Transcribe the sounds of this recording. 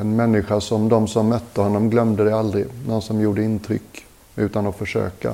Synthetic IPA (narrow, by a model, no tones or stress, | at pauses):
ɛnmɛnːɪɧaʂɔmd̪ɔmsɔmːœt̪ːəhɔnːɔmɡlœmd̪əd̪ɛald̪ɾɪnɔnsɔmjuːɖəɪnt̪ʰɾʏ̰kː | ʉ̟ːt̪anɔfœʂø̰ːka̰